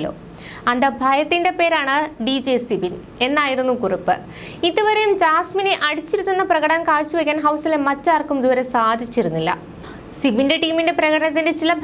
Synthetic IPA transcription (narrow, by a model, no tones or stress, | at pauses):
lːo̰ː | ɐnd̪ɐbʱɐjɐt̪ːinde̞pe̞ːɾaːɳɨɖid͡ʑesibin | e̞nːaːjiɾunːukuripːɨ̰ | iðɨʋɐɾejumd͡ʑaːsmineʔɐɽit͡ɕːiɾut̪ːunːɐprɐɣɐɽɐankaːɻt͡ɕːuʋekʲːaːnɦɐwsilemɐt͡ɕːaːrkumd̪uʋɐɾɐsaːd̪ʱit͡ɕːiɾunːilːɐ̰ | sibinde̞ʈiːminde̞prɐɣɐɽɐɳɐt̪̬ːinde̞t͡ɕilɐbʱ